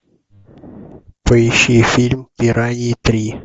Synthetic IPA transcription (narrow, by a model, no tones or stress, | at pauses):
pəjɪɕifʲilʲmpʲɪɾʔanʲɪt̪ɾʲi